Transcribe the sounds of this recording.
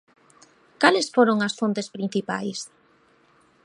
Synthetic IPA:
kalɪsfoɾoŋɐsfont̪espɾĩn̟θipa̰js

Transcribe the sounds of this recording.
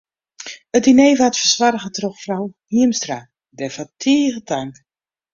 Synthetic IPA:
ət̚dinejvatfərswaɾəɣətrɔxfrawhiəmstra | dɛfatʰiːɣətaŋk

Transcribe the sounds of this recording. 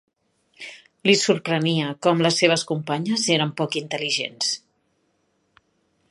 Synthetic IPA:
lisuɾpɾəniəkɔmləsːeβ̞əskumpaɲəzeɾəmpɔkint̪əliʒḛns

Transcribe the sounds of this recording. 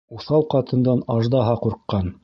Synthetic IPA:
uθɑw̪qɑt̪ɤ̆nd̪ɑnɑʒd̪ɑɦɑquɾqːɑn

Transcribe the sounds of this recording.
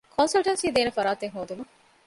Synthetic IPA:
kʰonsɐlʈɐnsiːd̪eːnefɐɾaːt̪eŋɦoːd̪umɐ

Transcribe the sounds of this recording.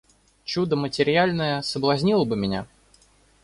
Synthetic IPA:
t͡ɕud̪əmətʲɪɾʲɪalʲnəjəsəblˠɐzʲnʲilˠəbɨmʲɪnʲa̰

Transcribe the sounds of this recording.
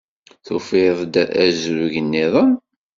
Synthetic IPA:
θufɪðˤd̪æzɾuʝənːiðˤəm

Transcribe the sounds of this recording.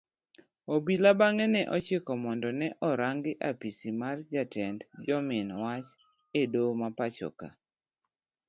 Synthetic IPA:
obilabaŋɛnɛʔɔt͡ʃekɔmɔndɔnɛʔɔɾaŋɡɪʔapisimard͡ʒatɛndd͡ʒɔmɪnwat͡ʃ | edomapat͡ʃɔ̰ka̰

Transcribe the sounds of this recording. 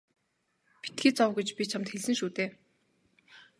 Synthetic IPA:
pi̥t̪ɡiːt͡sɔwɡut͡ɕpʲit͡ɕʰamt̪xeɮsɘ̆ŋʃuːt̪eː

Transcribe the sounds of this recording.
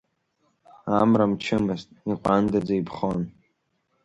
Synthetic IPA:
amramt͡ʃʰɪmɨztʼiqʷʼandad͡zaipʰχon

